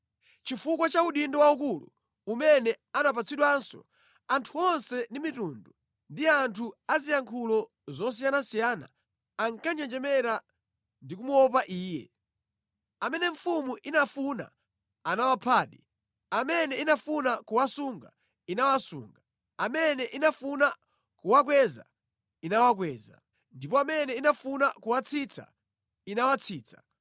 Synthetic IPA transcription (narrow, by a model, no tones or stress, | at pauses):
t͡ʃifukwat͡ʃauɗindɔwaukulṵ | umɛnɛ | anap̬at͡sʰiɗwansɔ̰ | antʰuɔnsɛndimituːndu | ndiantʰuazijaŋkʰulɔ | zɔs̬ijanasijana̰ː | ŋkaɲɛnd͡ʒɛmɛɾa | ndik̬umuɔp̬aʔiːjɛ̰ | amɛnɛɱfumuʔinafuna̰ː | nawapʰaːɗḭ | amɛnɛinafunakuwasuŋɡa | inawasṵːŋɡa | amɛnɛʔinafuna | kuwak̬wɛza̰ | inawak̬wɛːza̰ | ndip̬ɔamɛnɛinafunakuwat͡sʰit͡sʰa̰ | inawat͡sʰiːt͡sʰḁ̰